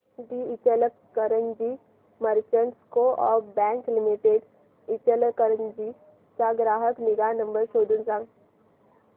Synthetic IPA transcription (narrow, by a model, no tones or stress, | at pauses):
ɖiɪt͡ʃələ | kəɾənd͡ʒi | məɾt͡ʃəɳʈskoʔɔːbɛ̃ːŋklimiʈeɖ | ɪt͡ʃələkəɾənd͡ʒi | t͡ʃaɡɾaːɦəknɪɡanɐ̃mbəɾʃoːd̪unsãŋ